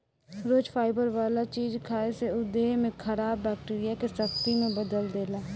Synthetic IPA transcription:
ɾoːd͡ʒfʰaːɪbəɾʋaːlat͡ʃiːd͡ʒkʰaːeseʊd̪eːɦmẽkʰəɾaːbːɛːk̚ʈiːɾijakesɐkt̪imẽbɐd̪əld̪eːlaː

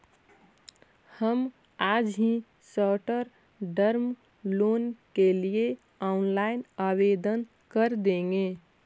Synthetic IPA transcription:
həm | ad͡ʒɦĩ | səʈəɾ | ɖəɾm | lonkelie | aunlaɪnabed̪ən | kəɾd̪ẽŋɡe

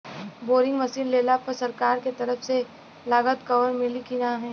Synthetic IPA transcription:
boːɾɪ̃ŋɡmɐsiːnleːlapəɾsɐɾkaːɾket̪ɐɾəfse | laːɡət̪kɐʋəɾmɪlikinaɦɛ̃ː

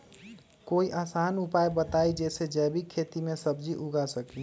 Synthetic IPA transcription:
koiʔasanupajbət̪aid͡ʒɛsed͡ʒɛːbʱikʰet̪imẽsəbd͡ʒiʔuɡasəki

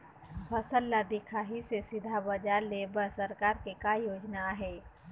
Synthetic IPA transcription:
bəsəlːad̪ɪkʰaːɦisesɪd̪ʱabəd͡ʒaleːbəɾsəɾkaːɾkekaːjoːd͡ʒnaɦɛː

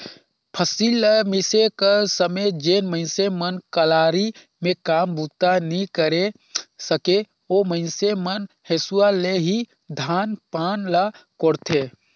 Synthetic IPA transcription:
pʰəsilːmisekasəmed͡ʒeːnmə̃ɪnsemənkəlaːɾi | mẽkaːmbut̪anĩkəɾe | səke | oməɪnsemən | hesualeɦi | d̪ʱaːnpaːnlakoɾt̪ʰe

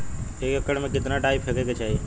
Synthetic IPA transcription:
eːkəkəɽmẽkɪt̪naʈaːipʰɦekeket͡ʃʰaːɦe

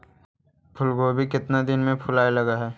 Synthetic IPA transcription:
pʰʊlɡobʱikɪt̪nad̪ɪnmẽpʰʊlaːelɐɡaɦɛː

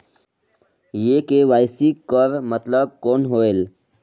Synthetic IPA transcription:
jekeʋaːɪsikəɾmət̪ləb̚koːnɦoːel

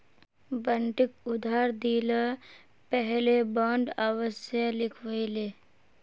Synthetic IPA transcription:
bəɳʈɪk̚ʊd̪ʱaːɾd̪iːla | pɛɦlebãːɳɖaʋəsjalɪkʰʋəileː

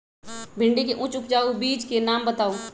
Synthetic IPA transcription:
bʱɪ̃ɳɖikeʔʊ̃t͡ʃʊp̚d͡ʒaːobiːd͡ʒkenaːmbɐt̪aːo

